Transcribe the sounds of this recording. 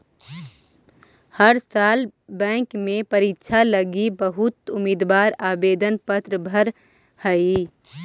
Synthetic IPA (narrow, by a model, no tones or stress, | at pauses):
həɾsaːlbɛ̃ːŋkmẽpəɾitːʃʰaləɡibəɦʊt̪ʊmiːd̪waːɾaːbeːd̪ənpət̪ɾəbʱəɾ | həi